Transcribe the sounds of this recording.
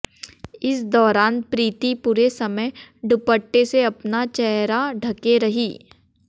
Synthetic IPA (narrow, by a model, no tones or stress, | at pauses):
ɪsd̪ɔːɾaːnpɾiːt̪ipʊɾesɐməjɖʊpəʈːeseɐpnat͡ʃɛɦɾaɖʱɐkeɾɐɦiː